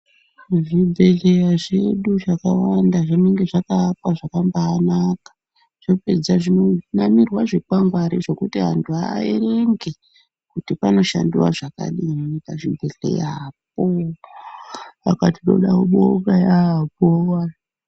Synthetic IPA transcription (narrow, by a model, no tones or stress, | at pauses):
ʐibʱe̞ɮe̞jaʐeɗuʐakawandaʐineŋɡe̞ʐakaːpwaʐakambaːnakḁ | ʐ̥ino̞pe̞d͡zaʐino̞namirwaʐepaŋɡwaɾiʐe̞kutiɦantʰua̰ere̞ŋɡe | kutipano̞ʃa̰ndiwaʐaka̰ɗimitaʐibʱe̞ɮḛjap̚o | akatiɗo̰ɗaoɓo̰ɡajaɦp̚owa